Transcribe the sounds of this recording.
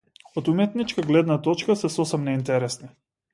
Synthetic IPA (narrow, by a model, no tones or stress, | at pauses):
ot̪umɛt̪nit͡ʃkaɡlɛd̪nat̪ɔt͡ʃkasɛsɔsɛmnɛint̪ɛɾɛsni